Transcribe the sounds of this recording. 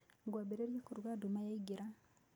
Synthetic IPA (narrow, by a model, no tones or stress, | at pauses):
ɡwabeɾeɾjakuɾwadumajeɡiɾa